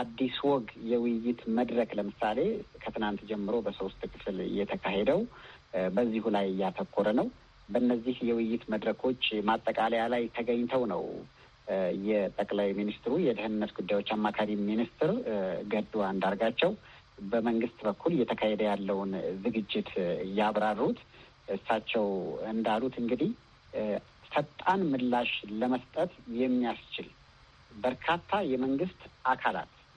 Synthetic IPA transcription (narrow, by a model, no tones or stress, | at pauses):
ad̪ːiswɔɡjɛwɪjɪt̪məd̪ɾəkləmɨsale̞kʰət̪ʰɨnant̪d͡ʒɛmːɨɾo̞bəsost̪ʼkʰɨflɨ̰jːɛt̪ʰəkʰahed̪əw | bəzːihulajɨjːat̪ʰəkʰːoɾənəw | bənːəzːihjɛwʊjːɪt̪məd̪ɾəkʰo̞t͡ʃːmat̪ʼːəkʼaləjalajt̪ʰəɡəɲːt̪ʰəwnə̰w | jɛt̪ʼəkʼlajminist̪ɨɾujɛd̪ɨhɨnɨnːət̪ɡud̪ːajwo̞t͡ʃːamːakʰaɾiminist̪ɨɾɡəd̪uwaɨnd̪aɾɡat͡ʃːɛw | bəməŋɡɨst̪bəkʰːuljɛt̪ʰəkʰahɛd̪əjalːəwʊnzɨɡɨd͡ʒːɪt̪jaβɾarːut̪ | ʔɨsːat͡ʃːɛwɨnd̪alut̪ʰɨŋɡɨd̪ih | sət̪ʼanmɨlːaʃləməst̪ʼət̪jɛmːijast͡ʃɪl | bəɾkʰat̪ʰːajɛməŋɡɨst̪ʔakʰala̰t̪